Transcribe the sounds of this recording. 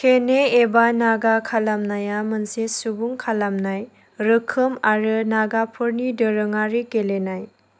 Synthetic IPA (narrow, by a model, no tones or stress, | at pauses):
kʰeneebanaɡakʰalamnajamɯnsesubuŋkʰalamnaj | ɾɯkʰɯmaɾɯnaɡapʰɯɾnidɯɾɯŋaɾikelenaj